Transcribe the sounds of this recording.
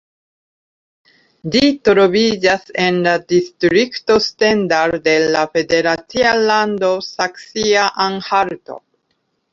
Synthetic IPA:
litɾo̞vid͡ʒase̞nladistɾikto̞stendaɾde̞lafe̞de̞ɾat͡sialandosaksiaʔaŋhaɾto̞̰

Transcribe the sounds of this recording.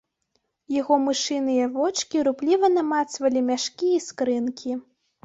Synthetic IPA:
jaɣɔmɨʂɨnɨjɐvɔt͡ʂkʲiɾuplʲivɐnɐmat̪svɐlʲimʲaʂkʲiːskɾɨnkʲʰi

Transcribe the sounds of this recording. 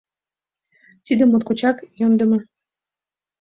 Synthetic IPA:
t̪id̪ə̆mːot̪kot͡ɕɑkjond̪ə̆mɤ

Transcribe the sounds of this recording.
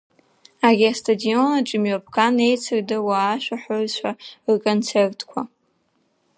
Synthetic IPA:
arʲiastʰʼadio̞naʈ͡ʂʼɪmɥapʰkʰʼane̞jt͡sʰɨrdɨwaːʃᶣʷaħorʃʷʰarkʼont͡sʰe̞rtʰkʷʰa

